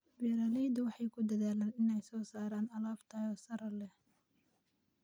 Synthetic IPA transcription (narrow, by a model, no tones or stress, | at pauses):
bɛːɾɐːlɛjd̪ɐwɑħɑjkʰʊd̪ɐðaːlaːnɪnɛjsɔːsaːɾaːnɐlaːbt̪ʰaɔːsɐɾɐlɛh